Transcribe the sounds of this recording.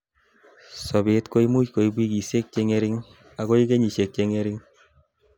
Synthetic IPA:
so˨be˨tko˦i˦mu˦ko˨i˨bwi˦ki˨se˦k̚t͡ʃe˧ŋe˦ɾɪ˦ŋ | a˨ko˦i˦ke˦ɲi˨ʃe˨k̚t͡ʃe˧ŋe˦ɾi˦ŋ

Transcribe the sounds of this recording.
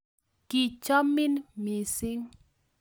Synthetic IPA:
ki˨t͡ʃɔ˦mɪ˦nmi˨sɪ˦ŋ

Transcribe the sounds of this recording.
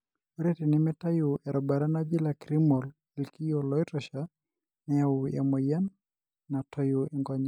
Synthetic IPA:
ɔ˦ɾe˦ti˨nɪmɛta˦jʊ˨ɛ˨ɾɔba˨ɾa˦na˦d͡ʒi˦la˨kɾi˦mɔ˨l | ɛ˨lki˦jɔlɔ˦iɾɔʃa | nɛauja̰˨mɔ˨ja˦n | na˨tʰɔ˦joɛŋɡa˦ɲ

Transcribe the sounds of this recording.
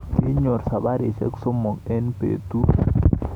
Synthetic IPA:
ki˦ɲo˨ɾsa˨ba˦ɾe˨t͡ʃḛ˦kso˦mo˨ŋe˦npḛ˨t̪u˦

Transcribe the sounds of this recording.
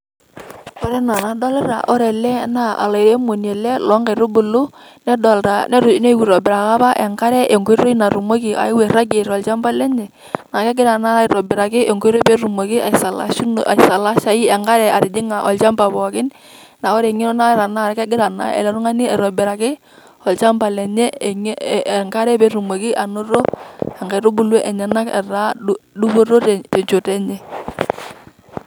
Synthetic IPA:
o˦ɾɛ˦na˨na˨dɔ˦lɪ˦ɾa̰˨ʔɔ˦ɾɛ˨lɛ˦na˦a̰˨la˨i˨ɾe˦mo˨n˨e˨lɛ˦lɔ˦ŋɡa˨ɾʊ˦bʊ˨lʊ˦ | nɛ˦dɔ˨lɾa˨nɛ˦ɾʊ˨˦ne˦wi˨ɾɔ˨bɪ˨ɾa˨ka˦pa˦ʔɛ˨ŋka˦ɾɛ˦ʔe˨ŋɡe˦ɾo˦i˦na˨ɾu˨mo˦ki˨ʔa̰˨ɪ˦we˨ɾa˦ɡe˨ɾɔ˨lt͡ʃa˦mba˦lɛ˦ɲɛ˨ | na˨kɛ˦ɡɪ˦ɾa˨na˦a˦˨ɾɔ˨bɪ˨ɾa˨kɪ˦ʔe˨ŋɡo˦ɾʊ˦pe˦ɾu˨mo˨kɪ˦a˨sa˨l̰a˨sa˨la˦ʃa˨i˦ɛ˨ŋɡa˦ɾɛ˨a˨ɾɪ˨dɪ˦ŋa˨ʔɔ̰˨lt͡ʃa˦mba˨bɔ˨kɪ˦n | na˨wɔ˦ɾe˨ŋɪ˦ɾɔ˦na˦ɛ˨ɾa˨na˦˨ɾka˦ɡɪ˦ɾa˨na̰˦ɛ̰˨lɔ˨ɾʊ˦ŋa˦nɪ˦ɛ˨ɾɔ˨bɪ˨ɾa˨kɪ˦ | ɔ˨lt͡ʃa˦mba˨lɛ˨ɲɛ˦˨˦ŋka˦ɾɛ˦pe˨˦ɾu˨mo˨kɪ˦ʔa˨no˦ɾo˦ɛ˨ŋɡa˨ɾo˦bu˦lwɛ˦ʔɛ˨ɲa˨na˦kɛ̰˨ra˦ɗu˦bo˦ɾo˦ttɛ˨ɲt͡ʃo˨tɛ˦ɲɛ˦˨

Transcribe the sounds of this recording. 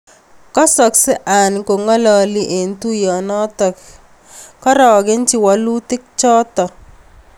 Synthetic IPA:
kɔ˦sɔ˨ksɪ˦ʔa˨n˨ko˨ŋɔ˦lɔ˦lɪ˦ʔe˨ntu˦jɔ˨nɔ˦t̪ɔ˨k | kɔ˦ɾɔ˨ɡɪ˦nt͡ʃɪ˨wa˨lu˦t̪ɪ˦k̚t͡ʃɔ˦t̪ɔ˨

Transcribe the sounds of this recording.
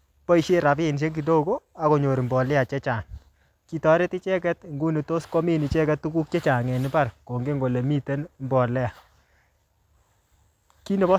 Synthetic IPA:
pɔ˦i˨˦ʃe˦ɾa˨pɪ˦˨nʃe˦ŋɡi˨do˦˨ko˦a˦ko˨ɲo˨ɾi˨mbɔ˨lɪ˦a˨t͡ʃɛ˦t͡ʃa˨ŋ | ki˨tɔ˨ɾe˦ti˦t͡ʃɛ˦kɛ˦tŋɡu˦ni˨to˦sko˦mi˦ni˨t͡ʃɛ˦kɛ˦tːu˦ku˦k̚t͡ʃɛ˦t͡ʃa˨ŋɛ˨nɪ˦pa˦ɾko˨ŋɡe˦ŋɡo˨le˨mi˦te˦nmbɔ˨lɛ˦a˨ | ki˦ne˨bɔ˦

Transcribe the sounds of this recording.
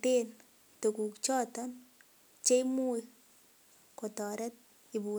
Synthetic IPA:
te˦n | to˨ku˨kt͡ʃɔ˦tɔ˦n | t͡ʃe˦jmu˦ | ko˨tɔ˨ɾɛ˦t̚ | i˨bu˨

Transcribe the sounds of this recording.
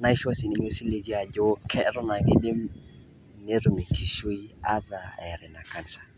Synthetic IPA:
na˦i˦ʃɔ˦sɪ˨ni˨ɲo˦si˦le˦d͡ʒi˦a˨d͡ʒɔ˦kʰɛ˦ɾɔ˦na˨ɡɪ˦dɪ˦m | ne˦ɾu˨mi˨ki˨ʃo˦ja˦ða˨ɛ˨ɾɛ˨na˨ka˦nsḁ˨

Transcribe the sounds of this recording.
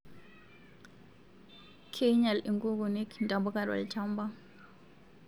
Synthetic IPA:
kʰeɲa˨li˨ŋkʼu˦k̬u˨ne˦kʰntʼa˨mbu˦kʼa˨dwa̰˨lit͡ʃʰa˦mba˦

